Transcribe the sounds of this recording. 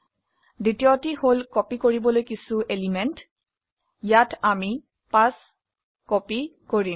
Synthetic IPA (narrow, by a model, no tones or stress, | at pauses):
ditiɔtiholkɔpikoɹibɔlojkisuelimɛnt | jatami | pas | kɔpikoɹi